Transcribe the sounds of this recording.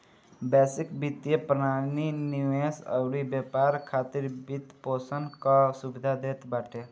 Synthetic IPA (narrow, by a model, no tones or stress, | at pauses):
bɛsikbit̪jepɾənaniniʋesə̰wɽibepaɾkʰat̪iɾbit̪poːsənkasubid̪ʱad̪eːt̪baʈʰe